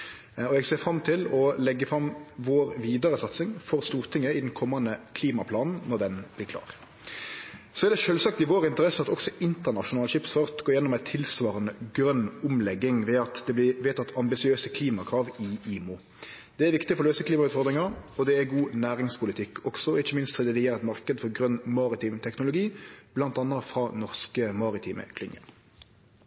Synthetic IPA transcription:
ɔɛɡseːfʁɑmt̪ʰɪlɔlɛɡːəfɾɑmʋoːɾʋiːd̪ɑʁəsɑt̪sɪŋfɔɾst̪uːʁt̪ʰɪŋːəɪd̪ɛnkʰɔmːɑnəkʰliːmɑpʰlɑːnn̩nɔʁd̪ɛnb̥lɪklɑ̰ːʁ | sɔɛʁd̪ɛʂøːlsɑk̚t̪ɪʋoːɾɪnt̪əʁɛsəɑt̪ɔksɔɪnt̪əʁnɑʂʊnɑːlʃɪpsfɑʁt̪ɡ̥oːjɛnːɔmæɪt̪ʰːɪlsʋɑːɾənəɡɾœnːʊmlɛɡːɪŋʋeːɑt̪d̪ɛblɪʋeːt̪ʰɑt̪ːʰɑmbɪsɪøːsəkʰliːmɑkʰʁɑːʋɪiːmu | d̪̥ɛæʋɪkt̪ɪfɔɾløːsəkliːmɑʉt̪fɔɾd̪ʁɪŋɑɔd̪ɛæɡuːnæːɾɪŋspʊlɪt̪ʰɪkːʰɔksɔɔɪçːəmɪnst̪fɔd̪ɛd̪ɪeːʁt̪mɑʁkəd̪fɔɾɡʁœnmɑːɾɪt̪iːmt̪ʰɛknʊlʊɡiːb̥lɑnt̪ɑnːɑfɾɑnɔʁskəmɑːɾɪt̪ʰiːmə̰kʰlɪnjə̰n

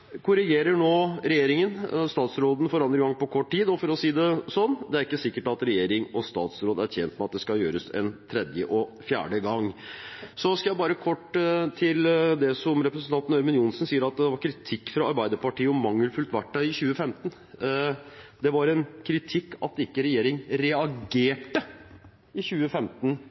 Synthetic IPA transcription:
kʰʊɾɪɡeːɾəɳoːɾɛjeːɾɪŋənst̪ɑːt̪sɾoːd̪n̩foːɾɑnd̪ɾəɡɑŋːpɔkʰɔʈːʈiːd̪ɔfɔɾɔsiːd̪ɛsɔnːd̪ɛæɾɪkːəsɪkːəʈɑt̪ɾɛjeːɾɪŋɔst̪ɑ̰ːt̪sɾoːd̪æɾçɛːnt̪mɛɑt̪̚d̪ɛskɑjøːɾəsɛ̰nt̪ʰɾɛd̪jəʔɔfjæ̰ːɖəɡɑŋ | sɔskɑjæɪbɑːɾəkʰɔʈːt̪ʰɪld̪ɛsɔmɾɛpɾəsn̩t̪ʰɑnt̪n̩œɾmʉnjʊnsnsiːəɾɑt̪̚d̪ɛʋɑɾkʰɾɪt̪ʰɪkːfɾɑɑɾbæɪd̪əɾpɑʈiːəɔmːɑŋːəlfʉlt̪ʋæʈːɑɪɪçʉːəfɛmt̪ən | d̪ɛʋɑɾɛnkʰɾɪt̪ʰɪkːɑ̰t̪ɪkːəɾɛjeːɾɪŋɾɛɑɡeːʈə | ɪçʉːəfɛmt̪n̩

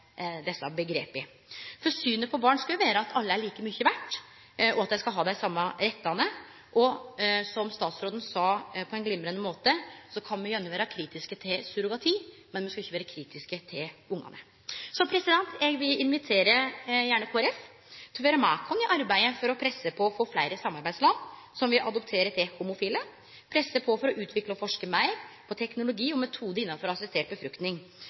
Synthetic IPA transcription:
d̪ɛsːɑbəɡɾeːpɪ | fɔɾsyːnəpʰɔbɑːɳskɑljʊʋæːɾəɑt̪ʰɑlːəæɭiːkəmyçəʋæʈː | ɔɑt̪jæɪskɑlɦɑːd̪æɪsɑmːɑɾɛt̪ːɑnə | ʔɔsɔmst̪ɑːt̪sɾoːd̪n̩sɑːpʰɔɛnɡlɪmːɾənəmoːt̪əsɔkʰɑnmɛjɛnːəʋæːɾɑkʰɾiːt̪ɪskət̪ʰɪlsʉɾʊɡɑt̪ʰiː | mɛnmɛnskɑʏçːəʋːɾəkʰɾiːt̪ɪskət̪ʰɪlʊŋːɑ̰nə̰ | sɔmpʰɾɛsɪd̪ɛnt̪jɛɡʋɪlɪnʋɪt̪ʰeːɾəjæːɳəkʰuːæɾɛf | t̪ʰɪlʋeːɾəmɑ̰ːkʰɔnɪʔɑɾbæɪəfɔɾɔpʰɾɛsːəpʰɔɔfoːflæɪɾəsɑmːɑɾbæɪd̪slɑːʋsɔmʋɪʔɑd̪ɔpt̪ʰeːɾət̪ʰɛhʊmʊfiːlə | pʰɾɛsːəpʰɔfɔɾɔʔʉːt̪ʰʋɪkləɔfɔʂkəmæɪɾpʰɔt̪ʰɛknʊlʊɡiːɔmɛt̪ʰuːd̪əɾɪnːɑnfɔɾɔɑsɛst̪eːʈ̚bəfɾʉkt̪nɪŋ

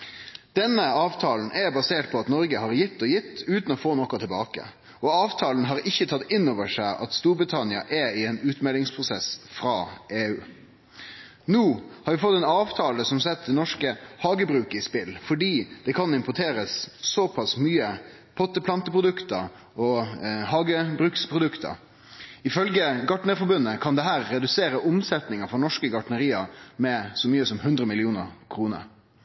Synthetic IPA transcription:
d̪̥ɛnːəɑːʋt̪ʰɑːln̩ʔɛbɑseːʈ̚pʰɔɑt̪nɔɾɡəɦɑɾjɪt̪ːɔjɪt̪ːʉːt̪n̩ɔfoːnɔkɑt̪ʰɛlbɑːkə̰ | ɔɑːʋt̪ʰɑːln̩ɦɑɾɪçːət̪ʰɑt̪ːɪnːoːʋəʂæɪʔɑt̪st̪uːɾbʁɪt̪ʰɑnɪɑ̰ʔɛɪɛːnʉːt̪mɛlɪŋspʰɾʊsɛsfɾɑːʔeːʉː | nuːhɑɾʋɪfɔt̪ːɛnɑːʋt̪ʰɑːləsɔmsɛt̪̚ːd̪ɛnɔʂkəhɑːɡəbɾʉːkɪspɪlfɔɖiːd̪̥ɛkʰɑnɪmpɔʈʰeːɾəsːɔpʰɑsmyːə | pʰɔt̪ːəpʰlɑnt̪əpʰʁʊd̪ʉkt̪ə | ɔhɑːɡəbɾʉːkspʰɾʊd̪ʉkt̪ə̰ | ɪfœlɡəɡɑʈɳəɾfɔɾbʉnːəkʰɑnd̪ɛɦæːɾːɛd̪ʉseːɾəʔʊmsɛt̪nɪŋəfɔnɔʂkəɡɑʈɳəɾiːɑmɛsɔmyːəsɔmhʉnd̪ɾəmɪlɪuːnə̰ɾkʰɾuːnə̰ɾ

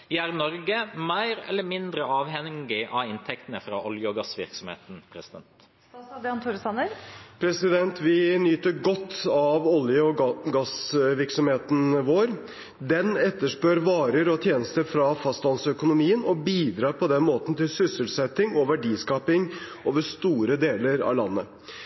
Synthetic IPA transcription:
ʋɪæɾnɔɾɡəmæɪɾɛ̰lːəɾmɪnd̪ɾəɑːʋɦɛɡɪʔɑɪnt̪ʰɛk̚t̪ənəfɾɑ̰ːʔɔljəɔɡɑsʋɪ̰ɾksɔmhḛːt̪n̩pʰɾɛsɪd̪ɛ̰nt̪ | ɑd̪əɑnt̪ʰuːɾsɑnəɾpʰɾɛsɪd̪ɛnt̪ʰʋɪnyːt̪əɾɡɔt̪ʰːɑʋɔljəɔɡɑsʋɪɾksɔmheːt̪n̩ʋoːɾ | d̪ɛnɛt̪ːəʂpøːɾʋɑːɾəɾɔt̪ʰjeːnəst̪əɾfɾɑfɑst̪lɑnsœkʊnʊmiːənɔbiːd̪ɾɑːɾpʰɔd̪ɛnmoːt̪n̩t̪ɪlsʏsəlsɛt̪ːɪŋɔʋæɖiːskɑːpɪŋʔoːʋəʂt̪uːɾəd̪eːləɾɑ̰lɑnːə

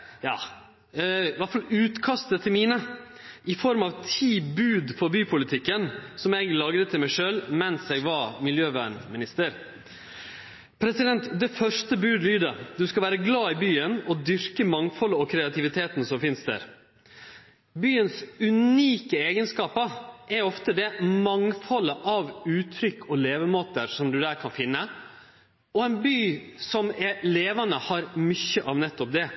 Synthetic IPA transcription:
jɑ̰ː | ʋɑʈfɑlʉːt̪kʰɑst̪ət̪ʰːɪlmiːnə | ʔɪfɔɾmɑʋt̪ʰiːbʉːd̪fɔɾbyːpʰʊlɪt̪ʰɪkːənsɔmɛɡlɑːɡɾət̪ʰːɪlmæɪʂøːlmɛnsɛɡʋɑmɪljøːʋæ̰ːɳmɪnɪst̪əɾ | pʰɾɛsɪd̪ɛnt̪d̪ɛfœʂʈəbʉːd̪lyːd̪əd̪ʉskɑʋæːɾəɡlɑːɪbyːənɔd̪ʏɾkəmɑŋfɔləɔkʰɾɛɑt̪ʰɪʋɪt̪ʰeːt̪n̩sɔmfɪnst̪d̪æ̰ːɾ | byːənsʉniːkəeːɡənskɑːpəʔɛɾɔft̪əd̪ɛmɑŋfɔləʔɑʋʉːt̪ʰɾʏkːɔleːʋəmoːt̪əɾʂɔmd̪ʉd̪æːɾkʰɑnfɪnːə | ɔɛnbyːsɔmɛleːʋɑnəhɑɾmʏçːəʔɑʋnɛt̪ːɔp̚d̪ɛ

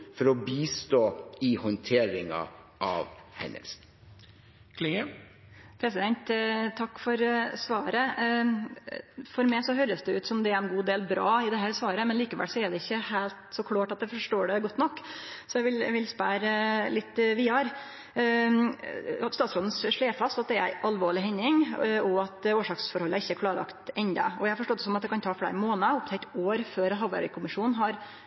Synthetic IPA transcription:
fɔɾɔbiːst̪oːɪhɔnt̪ʰeːɾɪŋɑ̰ʔɑ̰ʋhɛ̰nə̰ɾsn | kʰlɪə | pʰɾɛsɪd̪ɛnt̪t̪ʰɑkːfɔɾsʋɑːɾə | fɔɾmɛɪsɔɦøːɾəsd̪ɛʉːt̪sɔmd̪ɛæɾɛnɡuːd̪eːlbɾɑ̰ːɪd̪ɛɦæːɾsʋɑːɾəmɛnliːkəʋæ̰ːlsɔɛɖ̪ɛɪçːəhæɪlt̪sɔkʰlɑːʈɑt̪̚d̪æfɔʂʈoːɖɛɡɔt̪ːnɔkːsɔjæɪʋɪlʋɪlspæːɾəlɪt̪ːʋiːɑɾ | ɑt̪st̪ɑːt̪fɾɔd̪n̩sʂɭeːɾfɑst̪ɑt̪̚d̪ɛæɾæ̰ɪʔɑlʋoːɭɪɦɛɲːɪŋɔɑt̪oːʂɑːksfɔɾhɔlːəɪçːəæɾkʰlɑːɾəlɑ̰kt̪ɛnd̪ɑ̰ɔjæɪhɑfɔʂʈoːt̪ːəsɔmɑt̪̚d̪ɛkɑnt̪ʰɑːfɽæ̰ːɾmoːnəʊp̚t̪ʰɛɪt̪oːɾføːɾɦɑːʋɑ̰ɾɛ̰kʰʊmɪʂuːnɦɑɾ

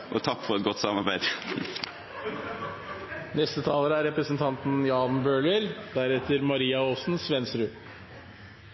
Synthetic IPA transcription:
ʔɔt̪ʰɑkːfɔʁɛt̪̚ɡɔt̪ːsɑmɑʁbæɪd̪ | nɛst̪ət̪ʰɑːləɾəæɾɛpɾəsnt̪ʰɑnt̪njɑːnbøːɭəɾd̪æɾɛt̪əɾmɑɾiːɑoːsn̩sʋɛnsɾʉː

